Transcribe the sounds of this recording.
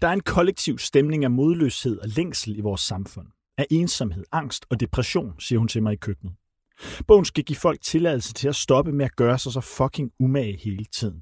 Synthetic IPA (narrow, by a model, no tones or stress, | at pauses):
d̥ɑ̈æɐe̝nkʰɒ̽leɡ̥̚t͡sʰiʊsd̥emne̝ŋæmo̝ːð̞ˠlø̰she̝ð̰ˠɒ̽leŋ̰sl̩iʋɒːsːɑ̈mfɔ̽n̰ | æʔe̝ːnsɒmhe̝ð̞̰ˠɑ̈ŋ̰sd̥ɒ̽d̥e̝pʰʁɛɕo̝̰ːnsiːɐhunt͡sʰe̝lmɑ̈ɪikʰøɡ̥nð̩ˠ | b̥ɔ̰ʊ̰n̩sɡ̥æɡ̥ḭːfɒ̽l̰ɡ̥̚t͡sʰe̝lɛð̞ˠl̩sət͡sʰe̝læsd̥ɒ̽b̥əmeæɡ̥ɶːɐsɑ̈sɑfɒ̽kʰe̝ŋumɛhe̝ːlət͡sʰið̰ˠn̩